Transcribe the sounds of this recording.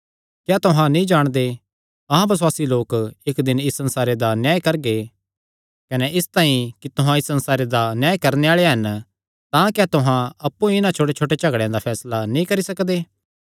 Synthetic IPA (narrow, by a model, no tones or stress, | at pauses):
kjat̪ʊɦãnĩd͡ʒaːɽ̃d̪e | ɐɦãbɐswaːsiloːkɪkd̪ɪnɪsːɐ̃nsaːɾed̪anjaːkɐɾɡe | kɐnɛʔɪst̪ãːĩkit̪ʊɦãɪsːɐnsaːɾed̪anjaːjkɐɾneaːɭeɦɐn | t̪ãkjaːt̪ʊɦãɐpːuɪnãt͡ʃʰoːʈ̬et͡ʃʰoːʈet͡ʃɐɡɽẽjãd̪apʰɛːslanĩkɐɾisɐkd̪eː